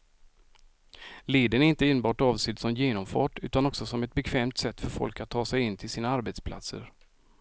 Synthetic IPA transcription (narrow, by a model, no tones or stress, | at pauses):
leːd̪ənæɾɪnt̪əɪnbɑːʈɑːvsɪt̪sɔmjeːnɔmfɑ̰ːʈʉ̟̰ːt̪anɔksɔsɔmɛt̪̚bɛkʰvɛːmt̪sɛt̪ːfœɾfɔ̰lkat̪ʰːɑːsɛjɪnːt̪ʰɪlsiːnaaɾbɛt̪spʰla̰t̪sə̰ɾ